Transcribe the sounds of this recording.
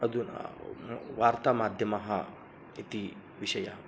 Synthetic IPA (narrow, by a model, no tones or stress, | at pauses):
ɐd̪un̰ | ʋaːɾt̪aːmaːd̪ʱjɐmɐɦɐ̰ | it̪i | ʋiʃɐja